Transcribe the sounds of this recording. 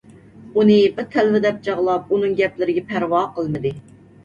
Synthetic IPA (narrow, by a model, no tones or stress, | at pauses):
unɨbɪɾt̪ʰɛlvɪd̪ɛp̚t͡ʃʰɑʁlˠɑp̚unɨŋɡʲɛplɪɾɪɡʲɛpʰæɾwɑːqʰəlˠmɨd̪ɨ